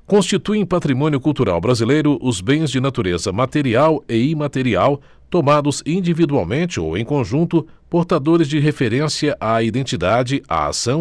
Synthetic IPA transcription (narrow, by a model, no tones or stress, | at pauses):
kõst͡ʃit̪uẽpat̪ɾimõnjʊkuwt̪uɾa̰wbɾazilejɾʊʔʊzbẽj̃zd͡ʒɪnat̪uɾezɐmat̪eɾiawɪimat̪eɾiaw | t̪omad̪ʊzĩd͡ʒivid̪ua̰wmẽnt͡ʃɪo̰wḛ̃j̃kõʒũnt̪ʊpoɾt̪ad̪oɾɪzd͡ʒɪɦefeɾẽsiɐʔaid̪ẽt͡ʃid̪ad͡ʒɪa̰a̰sɐ̃w̃